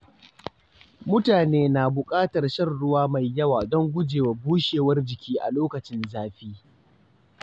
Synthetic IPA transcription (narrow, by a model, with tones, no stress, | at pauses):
mʊ˦taː˨neː˦naː˨bʊ˨kʼaː˦tɐ˨rʃɐ˦˨rɽʊ˦waː˦ma˨jːɐ˦waː˨dɔ˦ŋɡʷʊ˦d͡ʒeː˨wa˨buː˦ʃeː˨wɐ˦rd͡ʒɪ˨kʲiː˦ʔa̰˨loː˦kɐ˨t͡ʃɪ˦nzaː˨ɸiː˦